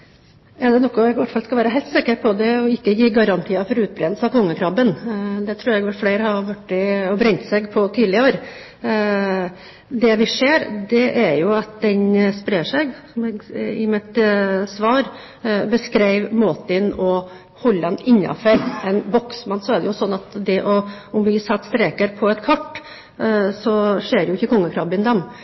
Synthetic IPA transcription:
ɛd̪ɛnɔkːɔɛɡʋæʈːfɑlskɑʋæːɾəɦæɪlt̪sɪkəɾpʰɔd̪ɛɔɪkːəjiːɡɑɾɑnt̪ʰiːɑfɔɾʉːt̪̚bɾeːd̪l̩səɑʋkʰɔŋːəkʰɾɑbənd̪ɛt̪ʰɾʉːɾɛɡʋæʈflæɪɾəhɑʋæʈːɪɔbɾɛɲt̪sɛɡpʰɔt̪ʰiːlɪəɾ | d̪ɛʋɪʂeːɾd̪ɛʔæɾjʊɑt̪̚d̪ɛnspɾeːʂɛɡsɔmɛɡɪ̰mɪt̪sʋɑːɾ | bəskɾæɪʋmɔt̪ɪnɔ | hɔlːɑnɪnːɑ̰fəɾɛnbɔksmɑnːsɔæɖɛjʊsɔnːɑt̪d̪ɛʔɔʊmʋɪsɑt̪ːst̪ɾeːkəɾpʰɔɛt̪kʰɑʈː | sɔʂeːɾjʊɪçːəkʰɔŋːəkʰɾɑbɪnd̪ɛm

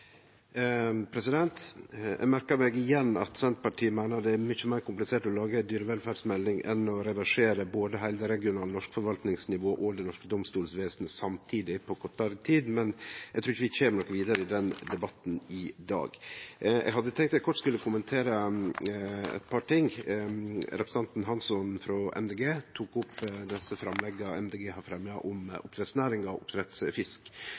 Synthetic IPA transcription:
pʰɾɛsɪd̪ɛnt̪ɛ̰ɡmæɾkəɾmɛɡɪjɛnːɑ̰t̪sɛnt̪pɑʈʰiːəmæɪnəɖ̪ɛæmʏçəmæɪɾkʰʊmplɪseːʈɔlɑːɡəd̪yːɾəʋɛlfæːɖsmɛlnɪŋʔɛ̰nɔɾɛʋæʂeːɾəboːd̪əɦæɪld̪əɾɛɡɪʊnɑːlnɔʂkfɔɾʋɑlt̪nɪŋsnɪʋoːʔɔd̪ɛnɔʂkəd̪ɔmst̪uːlsʋeːsənəsɑmt̪ʰiːd̪ɪpʰɔkʰɔʈːɑɾət̪ʰiːd̪mɛnɛɡt̪ɾuːɾɪçəʋɪçɛːməɳɔkːʋiːd̪ɑɾəɪd̪ɛnd̪ɛbɑt̪nɪd̪ɑ̰ːɡɛ̰ɡɦɑd̪ːət̪ʰɛŋkt̪æɛt̪kʰɔʈːskʉlːəkʰʊmənt̪ʰeːɾə | ɛ̰t̪̚pʰɑːʈʰɪŋ | ɾɛpɾsn̩ɑnt̪n̩ɦɑnsɔnfɾɔʔɛ̰md̪eːɡeːt̪ʰuːkʊpd̪ɛsːəfɾɑmlɛɡːɑɛ̰md̪eːɡeːhɑɾfɾɛmːɪɑʔʊmʔʊpt̪ʰɾɛt̪snæːɾɪŋɑʊ̰pt̪ʰɾɛt̪sfɪsk

